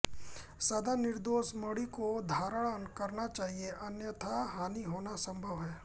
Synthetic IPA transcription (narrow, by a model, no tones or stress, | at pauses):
sɐd̪anɪɾd̪oːsməɽikod̪ʱaːɾəɭənkɐɾnat͡ʃaːɦieʔɐnjət̪ʰaɦaːniɦoːnasə̃mbʱəʋɦɛː